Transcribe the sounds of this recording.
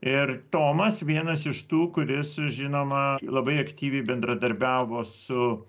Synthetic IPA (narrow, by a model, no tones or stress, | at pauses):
ɪrt̪oːmɐsʋʲiɛnɐsɪʃt̪uːkʊɾʲɪsʒʲɪnoːmɐlˠɐbɐɪɐkt̪ʲiːʋʲɛɪbʲɛnd̪ɾɐd̪ɐɾʲbʲæːʋoːsʊ